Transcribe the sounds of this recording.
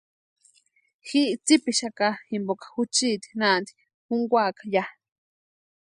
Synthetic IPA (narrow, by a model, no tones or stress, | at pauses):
xiʔt͡sipiʃakaximbokḁxut͡ʃit̪i̥nand̪i̥ | xuŋɡʷaːkḁja